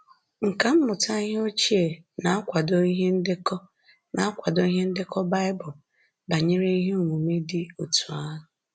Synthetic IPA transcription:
ŋ̩˨ka˨m̩˦mʊ˨ta˦i˦ɦe˦o˦t͡ʃi˦e˨na˨a˦kʷa˨do˦i˦ɦe˦n̩˦dɪ˦kɔ˦ | na˨a˦kʷa˨do˦i˦ɦe˦n̩˦dɪ˦kɔ˦ba˦ɪ˦bʊ˨ | ba˨ɲɪ˦ɾe˦i˦ɦe˦u˨ŋʷu˨me˦dɪ˦o˨tu˨a˦ɦʊ˨

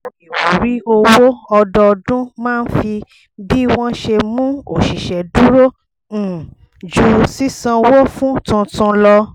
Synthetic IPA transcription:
i˨wo˨ɾi˦o˧wo˦ɔ˧dɔ˧dũ˦mãː˦˧n̩˦fi˧ | bi˦w̃ɔ̃˦ʃe˧mũ˦o˨ʃi˨ʃɛ˨du˦ɾõ˦˨ | d͡ʒu˧si˦sã˧wo˦fũ˦tũ˧tũ˧lɔ˧

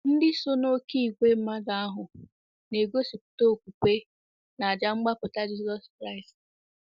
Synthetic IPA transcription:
n̩˦dɪ˦so˦no˦ki˦i˨ɡʷe˦m̩˦ma˦ɡa˨˦a˦ɦʊ˨ | ne˨ɡo˦si˨pʊ̥˨to˦˨kʷu˨kʷe˦ | na˨a˨d͡ʒa˦ŋ͡m̩˦ɡ͡ba˦pʊ˨ta˦d͡ʒi˦sɔ˦skɾa˦ɪ˨st

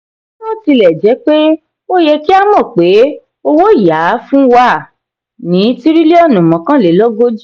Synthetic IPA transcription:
nɔ̃˦˨ti˧lɛ˨d͡ʒɛ˨˦k͡pe˦ | o˦jɛ˧ki˦a˦mɔ̃˦˨k͡pe˨˦ | o˧wo˦˨ja˨˦fũ˦wa˦˨ | nĩ˨˦ti˦ɾi˦le˦ɔ˦˨nũ˨mɔ̃˨˦kã˦le˨˦lɔ˦ɡo˦d͡ʒ

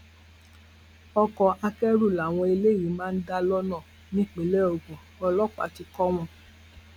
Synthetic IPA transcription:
ɔ˧kɔ˧ʔa˧kɛ˦ɾu˦˨la˨w̃ɔ̃˧e˧le˦˨jĩ˨˦mãː˦n̩˦da˦˧lɔ˦nã˦˨ | nĩ˦˨k͡pĩ˨lɛ˦o˨ɡũ˨ | ɔ˧lɔ˦k͡pa̰˨ti˧kɔ˦w̃ɔ̃˧

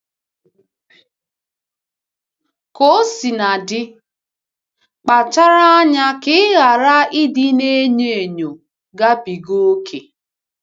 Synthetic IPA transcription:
ko˦si˨na˨dɪ˦ | k͡pa˨t͡ʃa˦ɾa˦a˦ɲa˦kɪ˦ɣa˨ɾa˦i˦dɪ˦ne˦ɲe˨e˨ɲo˨ | ɡa˦bi˨ɡo˦kʰe˨

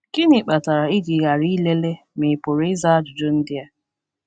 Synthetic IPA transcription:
kɪ˦nɪ˨k͡pa˨ta˨ɾa˨ɪ˦d͡ʒi˨ɣa˨ɾi˦le˦le˦ | mɪ˨po˨ɾɪ˦za˦a˦d͡ʒʊ˨d͡ʒʊ˦n̩˦dɪ˦a˨

